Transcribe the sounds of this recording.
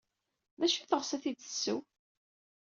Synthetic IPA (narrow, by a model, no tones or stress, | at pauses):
ðæʃiθəʁsæθid̪ə̥sːuw